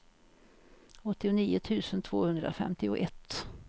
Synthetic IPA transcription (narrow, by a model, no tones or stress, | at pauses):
ɔt̪ːɪʊniːʊt̪ʰʉ̟ːsənt̪ʰvo̰ːhɵnd̪ɾa̰fɛ̰mt̪ɪʊʔɛt̪ː